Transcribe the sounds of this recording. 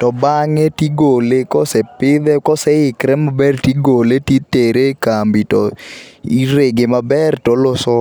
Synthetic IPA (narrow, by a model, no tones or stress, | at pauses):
tɔbaŋɛtiɡolekɔsɛpɪðɛkɔsɛɪkɾɛmabɛrtiɡoletiteɾekambitɔiɾeɡemabɛrtɔlɔsɔ